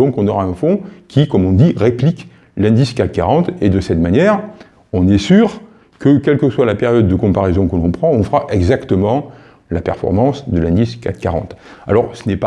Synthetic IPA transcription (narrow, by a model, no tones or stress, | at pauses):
ɔ̃kɔ̃nɔʁaɛ̃fɔ̃kʲikɔmɔ̃d̪iʁeplik | lɛ̃d̪iskat̪kaʁɑ̃t̪ed̪əsɛt̪manjɛʁ | ɔ̃nɛsyːʁ | kəkʲɛlkəswalapeʁjɔd̪ːəkɔ̃paʁezɔ̃kəlɔ̃pχɑ̃ɔ̃fəʁaʔɛɡzakt̪əmɑ̃ | lapɛ̰ʁfɔ̰ʁmɑ̃sd̪əlɛ̃d̪iska̰t̪ka̰ʁɑ̰̃t̪a̰lɔʁsənɛpa